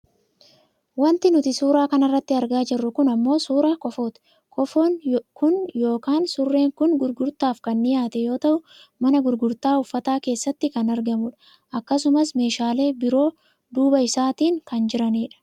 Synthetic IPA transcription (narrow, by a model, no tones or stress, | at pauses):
wɐnt̪ɪnʊt̪ɪsuːɾaːkɐnɐrːɐt̪ːɪɐɾɡaːd͡ʒɪrːʊkʊnɐmːo̞ːsuːɾaːkɔfoːt̪ | kɔfonkʊnjo̞ːkaːnsʊrːe̞ːŋkʊnɡʊɾɡʊɾt̪aːfkɐnːɪjaːt̪ɛjo̞ːt̪ɐʔʊ | mɐnɐɡʊɾɡʊɾt̪aːʊfːɐt̪aːke̞ːsːɐt̪ːɪkɐnɐɾɡɐmʊᶑɐ̥ | ʔɐkːɐsʊmɐsme̞ːʃaːle̞ːbɪɾo̞ː | d̪uːbɐɪsaːt̪iːŋkɐnd͡ʒɪɾɐniːᶑɐ̥